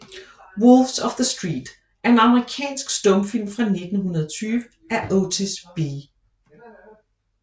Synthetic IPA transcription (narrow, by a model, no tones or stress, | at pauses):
wolfsɒfðəsd̥ʁḭːd̥ | ʔæɐenɑ̈məʁikʰɛ̰ːnsɡ̥sd̥ɔ̽mfil̰mfʁɑ̈ne̝d̥n̩ɦunɐð̞ˠt͡sʰyːʋə | æʔoʊt͡sʰisb̥i